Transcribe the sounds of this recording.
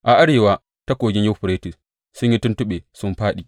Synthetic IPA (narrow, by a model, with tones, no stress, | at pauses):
ʔa˨ʔa˦ɽeː˨waː˦ | ta˦kʷoː˨ɡʲɪ˦ɲja˦ɸʊ˨ɾeː˦tɪ˨s | sʊ˦ɲji˦tʊ˦ntʊ˦ɓeː˨sʊ˦mɸaː˦ɗiː˨ʔ